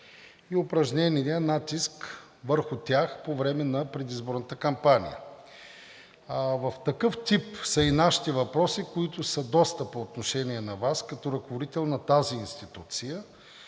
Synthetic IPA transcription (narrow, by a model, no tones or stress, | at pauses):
iʊpɾɐʒnʲɛniiənat̪isk | vəɾxʊt̪ʲjaxpovɾɛmɛnɐpɾɛd̪izboɾnət̪əkɐmpanḭjə̰ | vɐft̪ɐkɤft̪ipsəinaʃi̥t̪ɛvɐpɾɔsikoit̪ʊsəd̪ɔst̪əpoːt̪noʃɛniɛnɐvaskɐt̪ɔɾɐkovod̪it̪ɛlˠnɐt̪aziːnst̪it̪ut̪sijə